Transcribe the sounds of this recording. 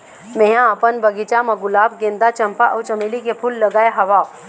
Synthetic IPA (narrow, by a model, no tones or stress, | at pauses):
mejãəpənbɐɡɪt͡ʃamɐɡʊlaːbɡẽnd̪at͡ʃɐmpaʔɐːt͡ʃɐmelikepʰulːɐɡaːeɦɐʋaː